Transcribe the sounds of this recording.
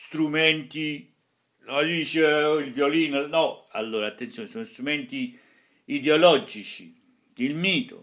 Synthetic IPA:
st̪ɾumɛnt̪i | nɔd̪iːt͡ʃeilvjoliːnonɔalːoːɾat̪ːent̪sjoːnesonost̪ɾumɛnt̪iː | d̪eolɔd͡ʒit͡ʃi | ilmiːt̪o̰

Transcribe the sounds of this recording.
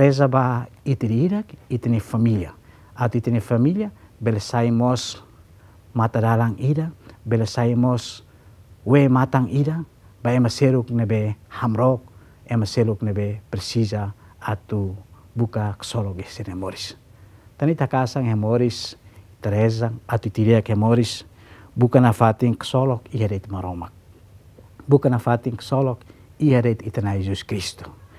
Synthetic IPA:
ɾezabait̪idiidakit̪inefamilia | at̪uit̪inefamiliabelasaimos | mat̪adalaŋidabelasaimos | wemat̪aŋida | baemaseɾuknebehamɾok̚ | emaseɾuknebepɾesizaː | t̪u | bukaksolɔkesiɾemoɾis | t̪anit̪akasaŋhemoɾist̪aɾezaŋat̪ut̪ideakemoɾis | bukanafat̪iŋksolɔkiɦadejt̪maɾomak̚ | bukanafat̪iŋksolɔk | ihadet̪it̪anajzuskɾist̪u̥

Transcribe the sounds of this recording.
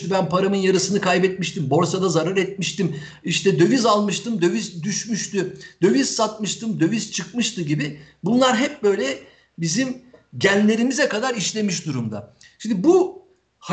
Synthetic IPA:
t̪ybænpʰaɾamɯnjaɾɯsɯnɯkʰajbɛt̪̚miʃt̪imbo̞ɾsad̪azaɾɯɾɛt̪̚miʃt̪im | iʃt̪ʰɛd̪ø̞vyzalˠmɯʃt̪ʰɯmd̪ø̞vyzd̪yʃmyʃt̪ʰyd̪̥ø̞vyz̥sat̪̚mɯʃt̪ʰɯmd̪ø̞vyzt͡ʃʰɯkmɯʃt̪ɯɟibɪbunlˠaɾɦɛp̚bø̞jlʲɛ | bizimɟænːʲe̞ɾimizɛkad̪aɾiʃlʲe̞miʃd̪uɾumd̪a̰ | ʃimd̪ibu | ha

